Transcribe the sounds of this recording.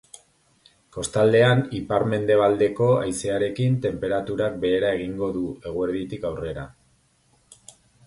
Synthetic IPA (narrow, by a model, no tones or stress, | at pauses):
ko̞st̪ald̪e̞anipaɾme̞nd̪e̞β̞ald̪e̞ko̞a̰jseaɾe̞kint̪e̞mpe̞ɾat̪uɾak̚be̞ːɾae̞ɣ̞iŋɡo̞ðue̞ɣ̞ueɾðit̪ikawre̞ɾa̰